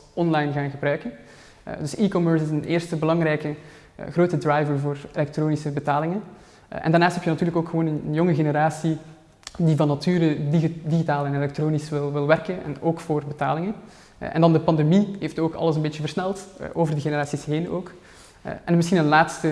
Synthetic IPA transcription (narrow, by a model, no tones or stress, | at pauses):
ɔnlɑjnɣaːnɣəbɾœɥkən | dʏsikɔmɜɹsɪsəneːrstəbəlɑŋɾɛjkə̰ | ɣroːtədrajvəɹvoːrelɛk̚tɾoːnisəbətaːlɪŋən | ʔɛ̰ndaːrnaːstɦɛpjənɑtyːrləkoːkxəʋoːnənənjɔŋəɣenəɾaːsi | divɑnːɑtyːɾədiɣitaːlɛnelɛk̚troːnisʋɪlˠʋɪlˠʋɛrkənɛ̰noːkfoːrbəta̰ːlɪŋən | ʔɛ̰ndɑndəpɑndemiɦeftoːkʰɑ̰ləsənbeːt͡ʃəvərsnɛlˠtʔoːvərdəɣenəɾaːsisɦeːno̰ːk | ʔɛnmɪsxinənlaːtstə